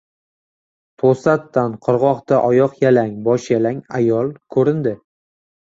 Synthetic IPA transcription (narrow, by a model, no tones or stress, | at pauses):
t̪ʰosat̪ːanqʰɨɾʁɒqt̪aʔɒjɒqjalaŋbɒʃjalaŋajɒlˠkʰɵɾɪnd̪ɪ